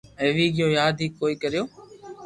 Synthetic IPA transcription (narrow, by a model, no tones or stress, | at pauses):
eːʋiːɠɪjõːjaːd̪ʱiːkːoːiːkəɾɪjoː